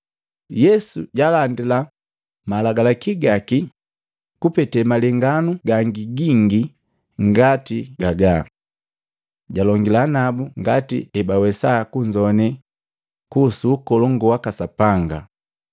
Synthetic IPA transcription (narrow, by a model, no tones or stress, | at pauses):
jɛsuɟalandila | malaɡalakiɡaki | kupɛtɛmalɛŋɡanuɡaŋɡiɡiŋɡi | ŋɡatiɡaɡa | ɟalɔŋɡilanabuŋɡatḭɛbawɛsakuɲd͡ʒɔnɛ | kusuːkɔlɔŋɡɔwakasapaŋɡa̰